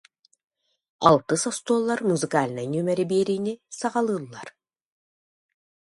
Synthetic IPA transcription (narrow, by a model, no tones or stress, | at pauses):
a̰lˠt̪ɯsɔst̪uːlˠːaɾmuzɨkaːlʲnanymɛɾibiːɾiːnisaʁɑlˠɯːlˠːaɾ